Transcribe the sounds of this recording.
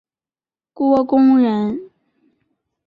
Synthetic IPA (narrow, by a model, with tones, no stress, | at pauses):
kwɔ˥kʊ˥ŋɻə˧˥˦n